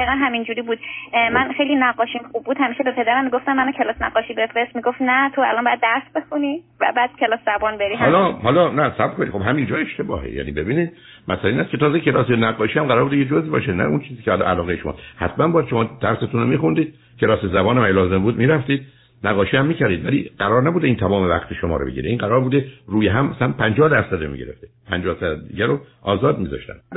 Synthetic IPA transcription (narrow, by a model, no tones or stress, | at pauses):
iɣænɦæmind͡ʒuːɾiːbuːd̪mænxejlinæɡːɒːʃimxub̚ːuːd̪hæmiʃebe̞pʰe̞d̪æɾæmːiɡoft̪æmːænɔcʰe̞lɒːsnæɡɒːʃiːbe̞fɾest̪miɡoft̪næt̪ʰoælɒnmbɒːjæd̪ːæɾsbe̞xuni | væ̰bæːd̪̥̚cʲʰe̞lɒːszæbɒːnbeɾiɦælɒhɒːlɒnæsæbkʰonḭxo̞bɦæmind͡ʒɒːe̞ʃt̪e̞bɒ̰ːhḛjæ̰nḭbe̞biːniːd̪̚ | mʔæ̰sælæiːnæskʰe̞t̪ʰɒːzecʰe̞lɒːsenæɡːɒːʃiːhæmɢæɾɒːɾbud̪ejed͡ʒozibɒ̰ʃenæ̰unt͡ʃʰiːziːcʰʲehɒlɒ̰ʔælɒːɣeeʃomɒ̰shæt̪ʰmænbɒːjæd̪ʃo̞mɒːd̪̥æɾset̪ʰunomiːxund̪iːd̪̥ | kʰe̞lɒːsezæbɒːnæmæjlɒːze̞mbuːd̪miːɾæft̪iːd̪̚ | næɣːɒːʃiːhæmːiːcæɾd̪iːd̪vælḭɢæɾɒːɾnæbuːd̪eiːnt̪ʰæmɒːme̞væqt̪ʰeʃomɒ̰ːɾoḛɟḭɾeiːnɢæɾɒːɾbuːd̪eruːjeɦæmæsænpʰænd͡ʒɒːhd̪æɾsæd̪omḭɟeɾeft̪epʰænd͡ʒɒːhsæd̪d̪iɟæɾoʔɒːzɒːd̪miːzɒ̰ʃt̪æ̰n